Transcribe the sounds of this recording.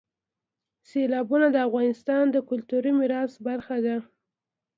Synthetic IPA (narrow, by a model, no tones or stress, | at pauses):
selɑbunad̪əafɣɑnɪst̪ɑnd̪əkʊlt̪uɾimɪɾɑsbaɾxad̪a